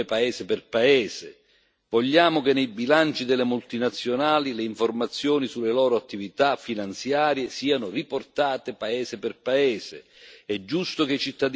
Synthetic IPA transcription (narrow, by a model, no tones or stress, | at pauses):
ɪpaɛːsɪpɪrpaɛːzɪ̰ | voʎːaːmʊkɪnːejbilant͡ʃid̪elːemult̪inat̪sːjonaːlileiɱformat̪sːjɔːnisulːelɔːɾoat̪ːivit̪afːinant̪sjaːɾjesiːanʊriport̪aːt̪epaɛːsɪpɪrpaɛːsɪ̰ | ɛd͡ʒːust̪ʊk̟et͡ʃit̪ːad̪